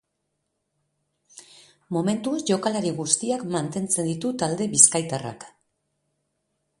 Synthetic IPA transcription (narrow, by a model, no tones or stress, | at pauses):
mo̞me̞nt̪uesʝo̞kalaɾiɣust̪iakmant̪e̞nt͡se̞nd̪it̪ut̪ald̪e̞βiskajt̪ara̰k